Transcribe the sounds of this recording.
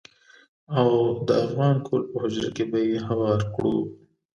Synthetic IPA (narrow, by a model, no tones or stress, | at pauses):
awd̪əafɣɑːnkʰolpəɦʊd͡ʒɾa̰kebajeɦawɑːɾkɽṵ